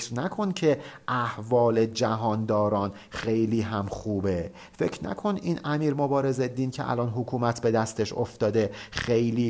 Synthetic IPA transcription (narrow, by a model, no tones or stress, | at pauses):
ɾnækʰo̞ncʰe̞æhvɒːle̞d͡ʒæɦɒːnd̪ɒːɾɒːn | xe̞jliːɦæmχuːbe | fe̞cʰɾnæ̰kʰo̞niːnæmiːɾmobɒːɾe̞zed̪iːncʰeʔæ̰lɒːnɦokʰuːmæt̪ʰbe̞d̪æst̪e̞ʃo̰ft̪ɒːd̪e̞xejliː